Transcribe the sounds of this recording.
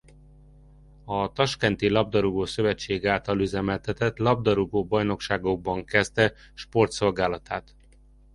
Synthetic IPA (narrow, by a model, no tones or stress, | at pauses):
ɒt̪ɒʃkɛnt̪ilɒb̚d̪ɒɾuɡoːsø̞vɛt͡ʃːeːɡaːlt̪ɒlyzɛmɛlt̪ɛt̪ɛt̪lɒb̚d̪ɒɾuɡoːbɒjno̞kʃaːɡo̞ɡ̚bɒŋkɛst̪ɛ | ʃpo̞rt̪so̞lɡaːlɒt̪aːt̪